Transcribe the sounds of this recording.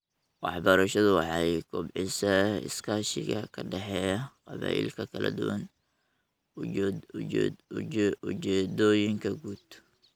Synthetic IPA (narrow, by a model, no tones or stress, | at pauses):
wɑ̰ħbɐɾɐʃɐðʊwɑħɑjɡʰɔbʕɪsɐɪ̰skʰaːʃɪ̰ɣɐkʰɐɖɛħɛːjɐqɑβa̰ːʔḭːlkʰɐkʰɐlɐ̰d̪ʊwɐn | ʊt͡ʃɛːd̪ɔːjɪŋkʰɐɡuːd̪̥